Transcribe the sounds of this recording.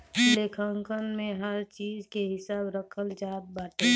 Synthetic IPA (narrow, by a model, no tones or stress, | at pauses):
leːkʰə̃ŋkənmẽɦəɾt͡ʃiːd͡ʒkeɦɪsaːbɾəkʰəld͡ʒaːd̪̚baːʈe